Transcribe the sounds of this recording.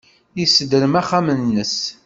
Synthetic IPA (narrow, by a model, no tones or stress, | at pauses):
jisːəd̪əɾəmæχæmənːəs